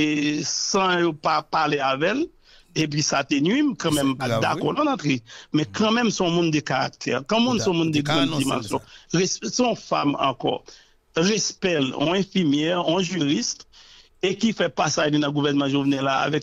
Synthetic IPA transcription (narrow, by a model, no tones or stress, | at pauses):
esɐ̃jopapaleavɛl | ep̬ɥisat̪enwimkɐ̃mɛ̃mpada̰kɔ̰nãnãt̪ʁimɛ̃kʰɐ̃mɛ̃msɔ̃mũnd̪ekaʁa̰k̚t̪ʰɛ̰ʁkɐ̃mũnsɔ̃mũnd̪eɡãdima̰lsɔ̃ʁɛssɔ̃famɑ̰̃kɔ̰ | ʁɛspɛlɔ̰̃ɛ̃fiʁmjɛʁɔ̃ʒyʁist̪ | ekifɛpasaʒninɐ̃ɡuvɛʁnmɑ̃ʒovnɛlaa̰vɛk